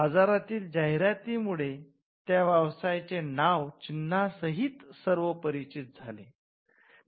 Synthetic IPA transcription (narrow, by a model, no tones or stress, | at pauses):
ɦəd͡zaɾat̪iːld͡ʑaɦjɾjat̪imuɭe | t̪jaʋjəʋsajt͡senaʋt͡ɕinːasəɦit̪səɾʋəpəɾit͡ɕit̪̚d͡zʱale